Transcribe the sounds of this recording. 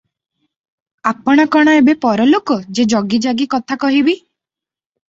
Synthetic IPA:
apɔɽ̃ɔkɔɽ̃ɔebepɔɾɔlokɔd͡ʒed͡ʒɔɡid͡ʒaɡikɔt̪ʰakɔɦibi

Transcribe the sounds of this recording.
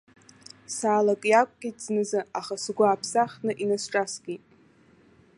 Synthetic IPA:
saːlakʼjakʷʼɡʲʼitʰʼz̥nɨzɨaχasɡʷʊapʰsaχnɨʔinasʈ͡ʂʼasɡ̥ʲitʼ

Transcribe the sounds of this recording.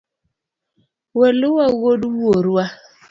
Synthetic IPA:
wɛluwawoduwoɾwa

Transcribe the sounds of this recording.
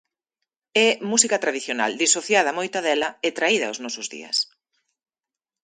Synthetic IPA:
ɛmusikɐt̪ɾaðiθjona̰ld̪isoθjað̞ɐmojt̪aðɛlɐɛt̪ɾaiðɐoznɔsʊzðḭɐ̰s

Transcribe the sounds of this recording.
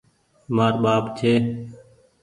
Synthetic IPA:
maːɾɓaːpt͡ʃʰeː

